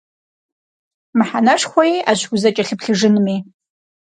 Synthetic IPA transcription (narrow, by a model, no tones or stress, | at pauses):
mɨħanɐʂχʷɔja̰ɕɡʊzɐt͡ʃʼɐɬɨpɬɨʐɨnmiː